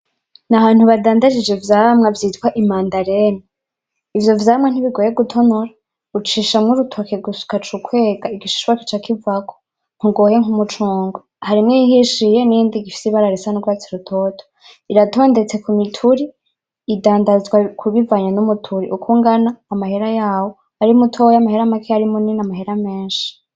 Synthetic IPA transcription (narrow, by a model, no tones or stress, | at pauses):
nahaːn̥uβadaːndad͡ʒid͡ʒevjaːmŋevjitwaʔimaːndaɾeni | ivjo̞vjaːmŋen̥iβiɡojeɡutʰo̞noɾa | ut͡ʃiːʃamŋuɾutʰokeɡusu̥kat͡ʃukʰwe̞ːɡaiɡit͡ʃi̥ʃwaki̥t͡ʃakivakʰo̥ | ŋ̥uɡo̞ːje̞ŋumut͡ʃuːŋɡo | haɾimŋiiɦiʃijeniːndiɡifi̥siβaɾaɾesanuɡuat͡siɾutʰoːtʰo̥ | iɾatʰo̞ːnde̞t͡se̞kumitʰuɾiː | daːndazɡwakʰuβivaɲanumutʰuɾḭʔukʰuŋɡanaːmaheɾajaːwo | aɾimutʰo̞jamaheɾamakʰeaɾimuninamaɦeɾameːnʃi̥